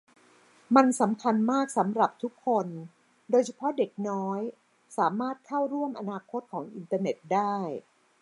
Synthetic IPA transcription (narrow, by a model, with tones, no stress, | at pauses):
ma˧nsa˩˦mkʰa˧nmaː˥˩k̚sa˩˦mɾa˨˩p̚t̪ʰu˦˥kʰːo˧n | doː˧jt͡ɕʰa˧pʰɔ˦˥de˨˩k̚nɔː˦˥j | saː˩˦maː˥˩t̪̚kʰa˥˩wɾu˥˩əmʔa˧naː˧kʰo˦˥t̪̚kʰɔː˩˦ŋʔi˧nt̪aː˧ne˨˩t̪̚daː˥˩j